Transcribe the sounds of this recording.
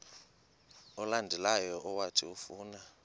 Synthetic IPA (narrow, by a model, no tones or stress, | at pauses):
ɔlandʱɛlajɔɔwatʰiufuːna